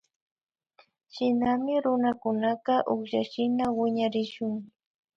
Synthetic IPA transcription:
ʃɪnamɪɾʊnakʊnɑqɑʔoχʃaʃɪnawɪɲaɾɪʃʊŋ

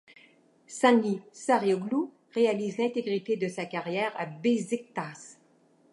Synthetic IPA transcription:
sɛ̃nlisaʁjoɡlu | ʁealizlɛ̃t̪eɡʁit̪ed̪əsakaʁjɛːʁabezek̚t̪as

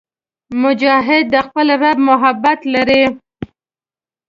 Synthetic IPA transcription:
mʊd͡ʒɑɦɪd̪ːəxpəlɾabmʊɦabat̪laɾi

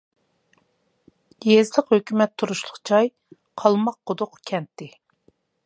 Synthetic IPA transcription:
jezləqhøkʲymɛt̪ʰːuɾuʃlˠʊqt͡ʃʰɑj | qʰɑlˠmɑq̚ːod̪ʊqkʲʰɛnt̪ːɪ

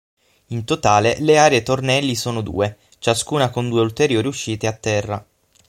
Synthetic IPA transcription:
int̪ot̪aːleleaːɾeet̪ornɛlːisoːnod̪ṵːe | t͡ʃaskuːnakond̪uːeult̪eɾjoːɾiuʃːiːt̪eat̪ːɛrːa̰

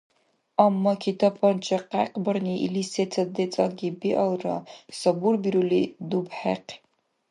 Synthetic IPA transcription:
amːɐkʰitʰɐpʰɐnt͡ʃʰʼɐqæqbɐrniʔḭlisetʰɐd̪et͡sʼɐɡʲibiʔɐlrɐ̰sɐburbiɾulid̪ubħɛ̰q

